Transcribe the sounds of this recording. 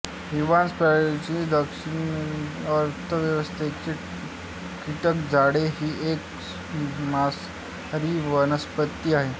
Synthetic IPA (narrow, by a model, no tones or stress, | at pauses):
ɦiʋanspɾat͡ɕid̪əkʂin | əɾt̪ʰəʋjəʋəst̪ʰet͡ɕe | kiʈəkd͡zaɽeɦiːek | mas | ɾiːʋənəspət̪ːiːaɦe